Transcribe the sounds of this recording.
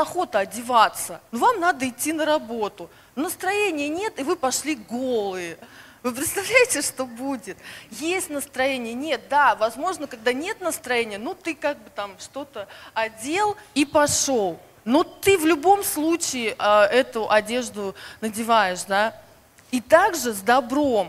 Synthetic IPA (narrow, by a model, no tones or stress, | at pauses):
ɐxo̞t̪əɐdʲɪvat̪sənovamnad̪əɪtʲːinəɾɐbo̞t̪ʊ | nnəst̪ɾɐjenʲɪjənʲe̞t̪ɪvɨpɐʂlʲiɡolˠɨjə | vɨp̬ɾʲɪt̪st̪ɐvlʲæjɪtʲɪʂt̪o̞budʲɪt̪jesʲtʲnəst̪ɾɐjenʲɪjənʲe̞t̪̚d̪avɐzmo̞ʐnəkɐɡ̚d̪anʲe̞t̪nəst̪ɾɐjenʲɪjənut̪ɨkaɡ̚bɨt̪amʂt̪o̞t̪əɐdʲe̞lˠipɐʂolˠ | not̪ɨvlʲʊbo̞mslˠut͡ɕɪɪʔəɛt̪ʊʔɐdʲe̞ʐd̪ʊnədʲɪvajɪʂd̪a | it̪aɡʐɨzd̪ɐbɾo̞m